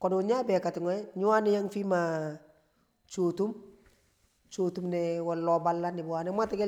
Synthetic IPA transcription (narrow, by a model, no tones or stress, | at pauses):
kɔdoɲabɛkatɪŋɔɛɲuwanijaŋfima | t͡ʃotum | t͡ʃotumnɛwalːɔbalːanɪbwanɛmatiɡɛ